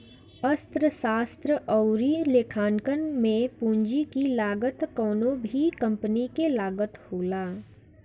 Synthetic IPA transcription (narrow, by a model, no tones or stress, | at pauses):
əst̪ɾəsaːst̪ɾəʔɔʊɾileːkʰaːnkənmẽpũːɲd͡ʒikilaːɡət̪kɔːnõbʱikɐ̃mpənikelaːɡət̪hoːlaː